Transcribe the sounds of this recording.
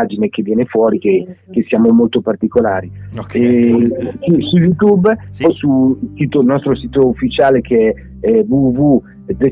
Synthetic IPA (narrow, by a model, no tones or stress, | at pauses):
ad͡ʒinek̟evːjɛːnefwɔːɾikek̟esjaːmomolt̪opart̪ikolaːɾiɛ | sisujut̪̬ubpɔjsusiːt̪olnɔst̪ɾosiːt̪oufːit͡ʃaːlekʰeɛ | ɛvuvu | d̪e